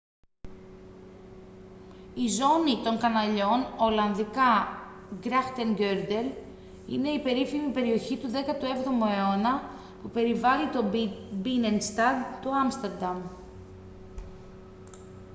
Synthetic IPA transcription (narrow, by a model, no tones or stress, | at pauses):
izo̞nit̪o̞ŋkɐnɐʎo̞no̞lɐnðikɐ | ɡɾɐxt̪eŋɡeɾd̪e̞l | ḭne̞ipe̞ɾifimipe̞ɾio̞çit̪uðe̞kɐt̪ue̞vðo̞moeo̞nɐ | pupe̞ɾivɐlit̪obinenst̪ɐd̪t̪oɐmst̪eɾd̪ɐm